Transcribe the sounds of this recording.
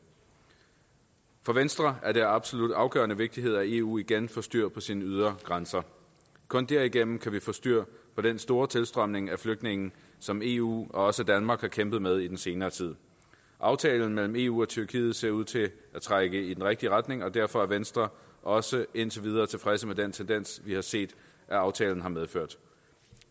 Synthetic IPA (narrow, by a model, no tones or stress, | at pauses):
fɒ̽ʋensd̥ʁɐʔæɐd̥æɐɑ̈b̥so̝lud̥ɑ̈ʊɡ̥ɶɐnəʋe̝ɡ̥̚d̥iɦe̝ð̞̰ˠæe̝ṵːiɡ̥enfɒ̽sd̥yɐ̰pʰɒ̽sinəyð̞ˠɐɡ̥ʁansɐ | kʰɔ̽nd̥æɐ̰iɡ̥en̰m̩kʰæʋifɒ̽sd̥yɐ̰pʰɒ̽ɾ̥ensd̥o̝ːɐt͡sʰe̝lsd̥ʁɶm̰ne̝ŋæfløɡ̥̚d̥ne̝ŋn̩ | sɒ̽me̝ṵɒ̽ɒ̽səd̥ænmɑ̈ːɡ̥hɑ̈kʰemb̥ð̩ˠmeð̞ˠid̥ense̝ːnɐːt͡sʰið̞̰ˠ | ʔɑ̈ʊt͡sʰɛːln̩mel̰m̩e̝ːṵːɒ̽t͡sʰyɐkʰḭːð̞̩ˠse̝ɐuð̰ˠt͡sʰe̝ʔæt͡sʰʁaɡ̥əid̥enʁeɡ̥̚d̥iəʁad̥ne̝ŋɒ̽d̥æɐ̰fɒ̽æɐʋensd̥ʁɐ | ʔɒ̽səe̝nt͡sʰe̝ʋið̞ˠɐːt͡sʰe̝fʁɛsəmed̥ent͡sʰend̥en̰sʋihɑ̈se̝̰ːd̥ | ʔæɑ̈ʊt͡sʰɛ̰ːln̩ɦɑ̈meðˠføɐ̰d̥